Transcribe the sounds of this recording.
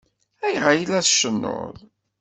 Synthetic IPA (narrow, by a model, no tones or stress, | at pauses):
æjʁajlæθʃənːo̰ðˤ